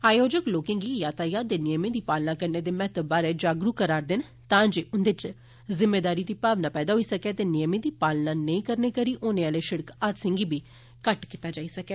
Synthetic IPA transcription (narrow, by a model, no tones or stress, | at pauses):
aːjoːd͡ʒəkloːkɪ̃ːŋɡiːjaːt̪ʰaːjaːd̪eːnɪjəmẽːd̪iːpaːlnaːkəɾneːd̪eːmɛːt̪əbaːɾɛːd͡ʒaːɡɾukəɾaːɾd̪ɪn | t̪ãːd͡ʒeːʔʊnd̪ɪt͡ʃ | zɪmːeːd̪aːɾiːd̪iːpaːʋnãːpɛːd̪aːɦoiːsəkɛːt̪eːnɪjəmẽːd̪iːpaːlnãːnəĩːkəɾneːkəɾiːʔoːnẽːaːleːʃɪɽəkaːt̪sɪ̃ŋɡiːbʱiː | kəʈkɪt̪aːd͡ʒaːisəkɛː